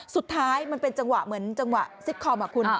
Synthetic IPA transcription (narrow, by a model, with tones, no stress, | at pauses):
su˨˩t̪ʰːaː˦˥jma˧npe˧nt͡ɕa˧ŋwa˨˩ʔmɯ˩˦ənt͡ɕa˧ŋwa̰˨˩ʔsi˦˥k̚kʰɔː˧wmaː˨˩kʰu˧n